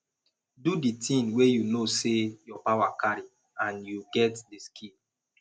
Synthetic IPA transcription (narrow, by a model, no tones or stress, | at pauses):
duditĩnwejunosejɔpawakaɹi | ãnjuɡɛtdiskʰĩl